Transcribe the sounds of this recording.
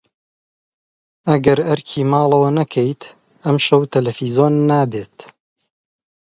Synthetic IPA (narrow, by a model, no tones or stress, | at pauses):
ɐɡɐɾɐɾkʰiːmɑːlˠɐwɐnɐkʰɐjt̪ | ɐmʃɐwt̪ʰɐlɐfiːzoːnːaːbeːt̪